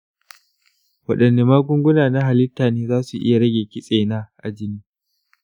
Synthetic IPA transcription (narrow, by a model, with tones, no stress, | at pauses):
wɐ˨ɗɐ˨nːe˨maː˦ɡʷʊ˦ŋɡʷʊ˦naː˨na˦ɦa˨lɪ˦tːaː˨neː˦zaː˦su˨ʔɪ̰˦ja˨ɽɐ˦ɡʲeː˨kʲɪ˦sʼeː˨naː˦ʔa̰˨d͡ʒɪ˦niː˦